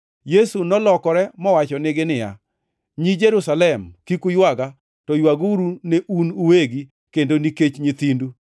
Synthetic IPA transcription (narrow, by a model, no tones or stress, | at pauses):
jesunɔlɔkɔɾɛmɔwat͡ʃɔnɪɡɪnɪja̰ | ɲid͡ʒeɾusalɛmkikujwaɡa | tɔjwaɡuɾuneʔunuweɡi | kendoniket͡ʃɲit̪indu